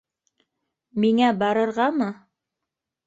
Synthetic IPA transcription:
miŋæbɑɾɤ̆ɾʁɑmɤ

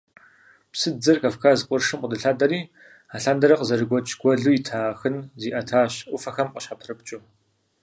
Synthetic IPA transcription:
psɨd͡zɨrkʼɐfkʰaːzɨqʷʼʊrʂɨmqʷʼʊdɨɬaːdɐɾiː | aːɬaːndɐɾɐqəzɐɾɨɡʷɔt͡ʃʰɡ̥ʷɔɮuːjitʰaːxɨnziːʔɐtʰaːɕʔʷʊfɐxɐmqʼəɕħapʰrɨp̚t͡ʃʼʊ

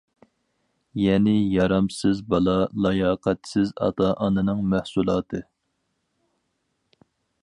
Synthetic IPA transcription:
jɛnɪjɑɾɑmsɪzbɑlˠɑlˠɑjɑːqʰæt̪sɪzɑ̰t̪ʰɑːʔɑnɨnɨŋmæhsulˠɑːt̪ʰɨ

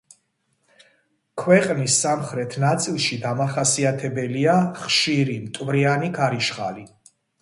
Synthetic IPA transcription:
kʰwɛqʼnisːamχɾɛt̪ʰnat̪sʼilˠʃid̪amaχasiat̪ʰɛbɛliaχʃiɾimt̪ʼvɾianiɡaɾiʃχa̰li

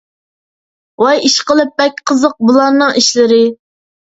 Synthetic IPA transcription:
wɑjiʃqəlˠɨp̚bɛk̚ʲqʰəzəq̚bulˠɑɾnɨŋiʃlɪɾɪ

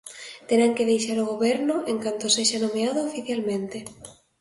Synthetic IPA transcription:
t̪eɾaŋkɪðejʃaɾoɣ̞oβɛɾnʊʔeŋkant̪oseʃanomeaðʊofiθjalmẽnt̪ɪ

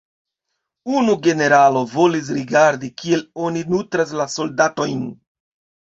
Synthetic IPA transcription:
unuɡe̞ne̞ɾalo̞vo̞lis̬ɾiɡaɾdikie̞lo̞ninutɾas̬laso̞ldato̞jn

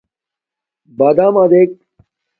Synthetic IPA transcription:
baːd̪aːmaːd̪ek̚

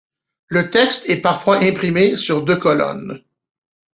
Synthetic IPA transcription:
lət̪ɛkst̪ɛpaʁfwaʔɛ̃pχimesyʁd̪økɔlɔ̰n

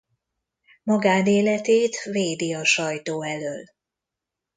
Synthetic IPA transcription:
mɒɡaːd̪eːlɛt̪eːt̪veːd̪iɒʃɒjt̪oːɛløːl

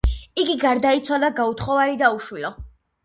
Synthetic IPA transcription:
iɡiɡaɾd̪ait̪sʰwalaɡaut̪ʰχɔvaɾid̪auʃwilɔ

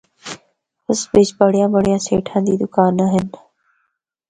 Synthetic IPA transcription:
pəsbɪt͡ʃbəɽjãːbəɽ̤ijãːsḛːʈʰãːnd̪iːd̪ʊkaːnaɦɪn

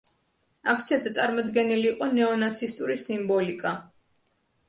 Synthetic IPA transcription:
ak̚ʰt̪sʰiazɛt̪sʼaɾmɔd̪ɡɛniliːqʼɔnɛɔnat̪sʰist̪ʼuɾisimbɔlikʼa

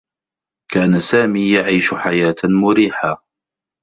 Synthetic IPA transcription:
kʰaːnasaːmiːjaʕiːʃʊħajaːt̪mʊɾiːħaː

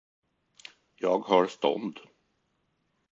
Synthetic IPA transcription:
jɑːɡhɑɾst̪ɔ̰nd̪

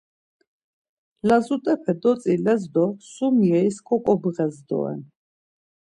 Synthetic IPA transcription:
lazut̪ʼɛpʰɛd̪ɔt̪t͡s̪ʼilɛzd̪ɔsumiɛiskʰʼɔkʼɔbʁɛzd̪ɔ̰ɛ̰n

